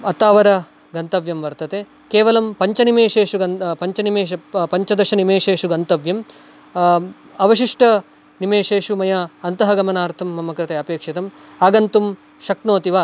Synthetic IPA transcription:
ɐt̪aːʋɐɾɐ | ɡɐnt̪ɐʋjɐmʋɐɾt̪ɐt̪e | keːʋɐlɐmpɐɲt͡ʃɐnimeːʃeːʂuɐnpɐɲt͡ʃɐnimeːɐpɐɲt͡ʃɐd̪ɐʃɐnimeːʃeːʂuɡɐnt̪ɐʋjɐm | ɐʋɐʃiʂʈɐ | nimeːʂeːʂumɐjɐɐnt̪ɐɦɐɡɐmɐnaːɾt̪ʰɐmːɐmːɐkɾɐt̪eɐpeːkʂit̪ɐm | aːɡɐnt̪um | ʃɐknoːt̪iʋaː

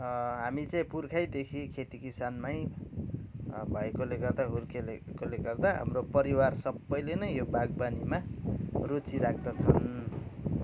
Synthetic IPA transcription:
ɦamit͡sʌĩpurkʰajd̪ekʰikʰet̪ikisanmaj | bʱʌekoleɡʌrd̪aɦurkʰelekoleɡʌrd̪aɦa̰mropʌɾiwarsʌbːʌjlenʌjjobaɡ̚banimarut͡siɾak̚ʰd̪ʌt͡sʰʌn

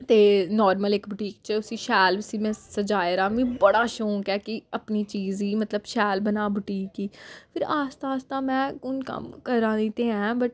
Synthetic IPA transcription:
t̪eːnɔːɾməlɪkbʱʊʈiːk̚t͡ʃəʊsiːʃɛːlbɪsiːmɛ̃ːsəd͡ʒaːeɾaːmĩːbəɽaːʃõːkɛːkɪəpniːt͡ʃiːziːmət̪ləbʃɛːlbənaːbʱʊʈiːkiːpʰɪɾaːst̪aːst̪ãːmɛ̃ːkʊnkə̰mkəɾãːnĩːt̪eːɛ̃ːbəʈ

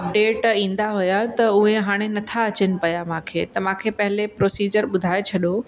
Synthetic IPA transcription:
ɐp̚ɖeːʈĩːn̆d̪aɦʊjat̪ɐʊɦeɦaːɽ̃enɐt̪ʰaɐt͡ɕənɪ̆pɐjamãːkʰḛːt̪ɐmãːkʰepɐɦɪlepɾoːsiːd͡ʑəɾɓʊd̪ʱaːet͡ɕʰɐɗo

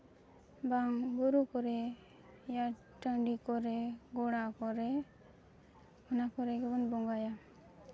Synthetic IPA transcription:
baŋɡuɾukɔɾɛ | ja | ʈəɳɖikɔɾɛɡɔɽakɔɾɛ | ɔnakɔɾɛɡɛbɔnbɔŋɡaja

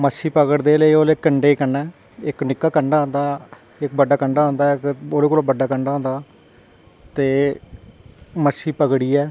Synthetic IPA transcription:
məsiːpəɡəɽd̪eːləiːoːlekːəɳɖeːkəɳɖɛː | ɪknɪkːaːkəɳɖaːɦõnd̪aː | ɪk̚bəɖaːkəɳɖaːɦõːnd̪aːɪkoːleːkoːlobəɖaːkəɳɖaːõːnd̪aː | t̪eː | məsiːpəɡɽiːɛː

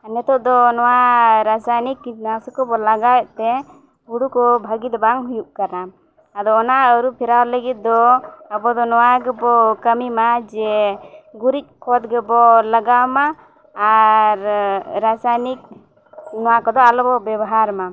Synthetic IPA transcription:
nɛt̪ɔʔd̪ɔnɔwaɾasajnikːinasɔkɔbɔlaɡajt̪ɛ | ɡuɽukɔbʱəɡid̪ɔbaŋɦujuʔ̚kaɾnaː | d̪ɔːnaəɾupʰiɾawləɡit̪̚d̪ɔabɔd̪ɔnɔwaɡɛbɔkəmimad͡ʒɛ | ɡuɾic̪̚ˀkʰɔt̪̚ɡɛbɔlaɡawmaː | ɾɾasajnik̚ | nɔwakɔd̪ɔalɔbɔbɛbɔɦaɾma

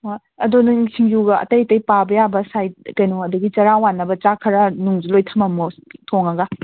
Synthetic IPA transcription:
ɐdonɐsiŋjuɡɐɐ̰tɐjtɐjpabɐjabɐsajt̚kɐjnoɐduɡit͡ʃɐɾawanːɐbɐt͡ʃakʰɐɾɐnuŋzilojtʰɐmɐmutʰoŋɐɡa

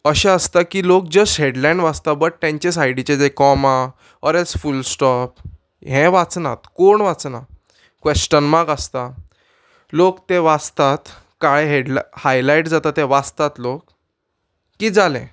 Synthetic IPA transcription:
əɕɛ̃əst̪akiːlok̚d͡ʑəsʈɦeɽlajnʋat͡st̪abəʈ̚ʈ̪ːẽɲt͡ɕesajɽit͡ɕed͡zekɔma | ɔɾɛlsfulsʈɔp̚ | ɦɛ̃ʋat͡snat̪koɳʋat͡sna | kʋesʈənmaɡast̪a | lokt̪ẽʋat͡st̪at̪ | kajɦeɖlhajlajʈd͡zat̪at̪ẽʋat͡st̪at̪lokː | iːd͡zalɛ̃

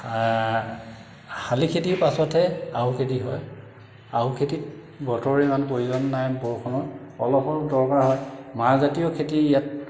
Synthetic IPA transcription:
xalikʰetiɹpasɔtʰɛaɦukʰetiɦɔj | aɦukʰetit | bɔtɔɹɛmanpoɹizɔnːajbɔɹkʰɔnɔɔlɔpɔɹdɔɹkaɹɦɔjmaɹzatijɔkʰetiijat̚

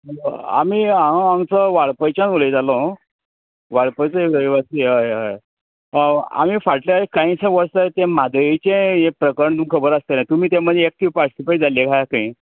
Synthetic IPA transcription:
a̰miaɦə̃aŋt͡səʋaɭpəjt͡ɕanoləjd͡zalɔ | ʋaɭpəjt͡səiliʋasiɦəjɦəj | a̰miːfaʈljaekaĩsẽʋəɭsat̪ẽmad̪əjit͡ɕẽjepɾəkəɾəɳt̪umkʰəbəɾəst̪enat̪um̤iːt̪ẽm̤əd̪ʱjeek̚t̪ʰiʋpaʈsipəʈd͡zaljekʰajakaĩ

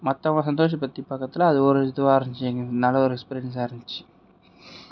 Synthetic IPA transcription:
mɐt̪ːɐmas̬ɐnd̪oːʂ̬ɐpːɐt̪ːipːɐkːɐt̪ːɪlɐːðɯɔɾɯɐt̪ːɯʋaːɐɾɪɲɪt͡ʃːɯɛŋɡɐnɐlːɐɔɾɛkspeɾɪjɐns̬aːɾɪɲɪt͡ʃːɯ̥

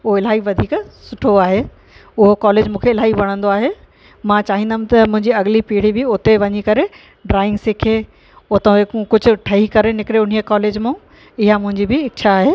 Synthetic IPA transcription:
ʊɦoɪlaːiʋɐd̪ʱiːksʊʈʰoaːɦeː | ʊɦokɔːleːd͡ʑmũːkʰeɪl̤aːibɐɽ̃ə̃nd̪oaːɦe | mãt͡ɕaːɦĩnd̪aːmt̪ɐmʊ̃ɦɪ̃ɲd͡ʑiɐɡɪlipiːɽ̤ibɪʊt̪eʋɐɲikɐɾe | ɖɾaːɪ̃ŋɡsɪkʰe | ʊt̪ekʊd͡ʑʱʊ̆ʈʰɐɦikɐɾenɪkɪɾeʊn̤iəkɔːleːd͡ʑmũ | ɪɦamʊ̃ɦɪ̃ɲd͡ʑibɪɪkt͡ɕʰaːɦeː

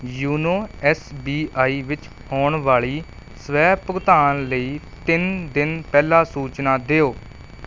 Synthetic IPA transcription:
juːnoːɛsbiːaːiːʋɪt͡ʃ | hoːɳʋaːɭiː | səʋɛːpʊɡt̪aːnləiː | t̪ɪnd̪ɪnpɛːlaːsuːt͡ʃnaːd̪eːoː

